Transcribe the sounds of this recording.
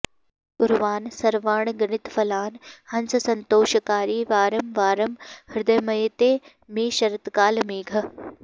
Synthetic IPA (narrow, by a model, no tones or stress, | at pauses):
ɡʊɾʋaːnsɐɾʋaːɳɡɐɳɪt̪fʰɐlaːnhɐnsɐsɐnt̪oːʃɐkaːɾiːʋaːɾɐmʋaːɾɐmhɪɾd̪ɐjmɐjet̪eː | meːʃɐɾɐt̪kaːlmiːɡʱɐ